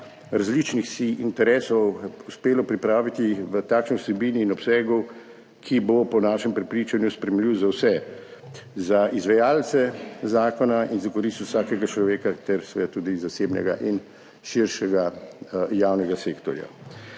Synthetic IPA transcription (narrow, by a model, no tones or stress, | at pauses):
ɾazlit͡ʃnixsiint̪ɛɾɛːsɔwuspeːlɔpɾipɾaːʋit̪iʋət̪aːkʃniwsɛbiːniːnɔpsɛːɡɔw | kʰibopɔnaːʃɛmpɾɛpɾiːt͡ʃanjuspɾɛmliːwzawsɛ | zaizʋɛjaːlt̪sɛzaːkɔnainzakɔɾiːst̪wsaːkɛɡat͡ʃlɔʋeːkat̪ɛɾsɛʋɛd̪at̪uːd̪izaseːbnɛ̰ɡa̰ʔin | ʃiɾʃɛɡa | jaːwnɛɡaseːkt̪ɔɾja̰